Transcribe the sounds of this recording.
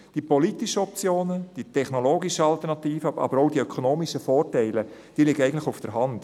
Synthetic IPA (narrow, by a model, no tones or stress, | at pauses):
d̥ipɔlitiʃəɔp̚t͡sjoːnəd̥itʰɛχnɔloːɡiʃəɑlt̪əɾnɑt̪iːfəɑ̰bəɾowdiœkʰonoːmiʃəfɔːrtɛɪləd̥iːlɪɡəɛɪɡəntlɪxufd̥əɾɦɑnd̥